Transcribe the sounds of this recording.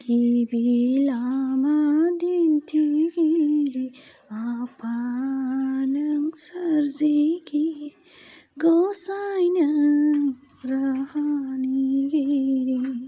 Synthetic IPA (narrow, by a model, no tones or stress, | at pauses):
kibilamad̪int̪ʰiɡiɾi | apa | nɐŋsəɾzeki | ɡosajnɐ | ɾɐhaniɡiɾi